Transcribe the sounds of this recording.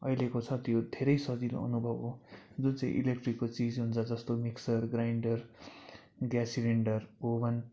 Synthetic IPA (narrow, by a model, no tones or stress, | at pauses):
ʌjlekot͡sʰʌt̪jod̪ʱeɾʌjsʌd͡zino̰ʌ̰nubʱʌbo | d͡zunt͡saḭ̃ʔḭlekʈrikːot͡sid͡zɦunt͡sʰʌd͡zʌst̪omiksʌrɡrajɳɖʌr | ɡjasiɾeɳɖʌrobʌn